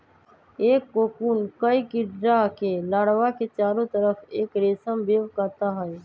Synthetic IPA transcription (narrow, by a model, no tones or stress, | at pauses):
eːkːoːkuːnkəikɪɖɾakelaːɽʋaket͡ʃaːɾõt̪əɾəfeːkɾeːsəmbeːʋkəːt̪aɦɛe